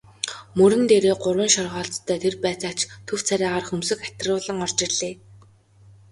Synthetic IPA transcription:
mɵɾɘ̆nt̪eːɾeːɢʊrwə̆ŋʃɔrʁɔːɬt͡st̪ʰːœːt̪ʰerpæːt͡saːt͡ɕt̪ʰɵw̥t͡sʰaɾʲæːʁaːrxɵmsɵ̆kḁt̪rʊːɮə̆ŋɔr̥t͡ɕɪ̆rɮ̥eː

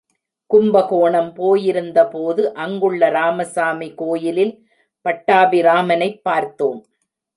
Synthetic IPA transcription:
kʊmbɐɣoːɳɐmpoːjɪɾɯnd̪ɐpoːðɯʔɐŋɡɯɭːɐɾaːmɐsaːmikoːjɪlɪl | pɐʈːaːʋiɾaːmɐnɐɪpːaːɾt̪oːm

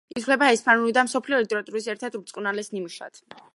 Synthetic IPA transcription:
it̪ʰlɛbaɛspʰʼanulid̪amsɔpʰliɔlit̪ʼɛɾat̪ʼuɾisɛɾt̪ʰɛd̪uɾt̪sʼqʼunalɛsnimuʃa̰d̪̥

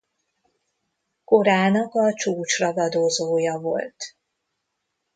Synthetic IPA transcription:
ko̞ɾaːnɒkɒt͡ʃuːt͡ʃrɒvɒd̪ozoːjɒvo̞̰lt̪

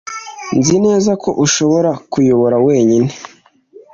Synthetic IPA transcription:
nzine̞ːzako̞̰ʔuʃo̞βo̞ɾakujoβo̞ɾawe̞ːɲine

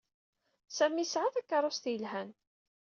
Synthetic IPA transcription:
sæmisʕaθækːɑɾˤʊst̪jəlɦæn

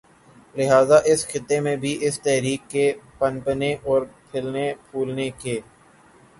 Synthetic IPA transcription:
lɪɦaːzaʔɪsxɪt̪ːemẽbʱiʔɪst̪ɛɦɾiːkːepənpneʔɔːɾpʰɪlnepʰuːlnekeː

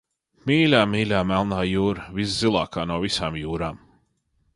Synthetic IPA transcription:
miːlʲaːmiːlʲaːmælˠnaːjuːɾvis̬zilˠɑ̰ːkʰaːnuɔvisaːmjuːɾaːm

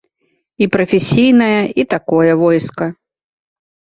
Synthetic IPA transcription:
ipɾɐfʲesʲijnɐjɐit̪akɔjɐvɔjskɐ

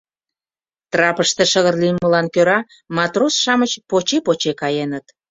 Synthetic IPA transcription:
t̪rɑpəʃt̪eʃəɣərliməlɑnkøɾɑ | mɑt̪rosʃɑmət͡ɕpot͡ɕepot͡ɕekɑjenət̪

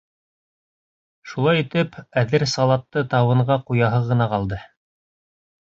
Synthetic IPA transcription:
ʃulˠɑjit̪ɘpæðɘɾsɑlˠɑt̪ːɤt̪ɑwɤ̆ɴɢɑqujɑɦɤʁɤ̆nɑqɑlˠd̪ɤ

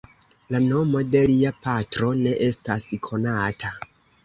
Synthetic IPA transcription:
lano̞mo̞de̞liapatɾo̞ne̞ʔe̞staskʰo̞natʰa

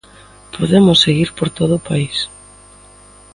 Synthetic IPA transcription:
pʰoðemʊsːeɣiɾpoɾt̪oð̞ʊpais

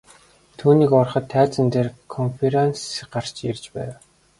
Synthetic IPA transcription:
t̪ʰuːniːkɔrχə̆t̪ʰːæːt͡sə̆nt̪eːrkʰɔnfeɾensɢar̥t͡ɕert͡ɕpæːw

